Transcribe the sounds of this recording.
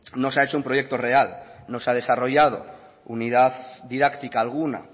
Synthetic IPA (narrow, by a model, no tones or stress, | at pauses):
no̞saet͡ʃoumpɾo̞je̞k̚t̪o̞re̞alno̞sað̞e̞saro̞ʝað̞o̞̰ | uniðaððiðakt̪ikaːlɣ̞una̰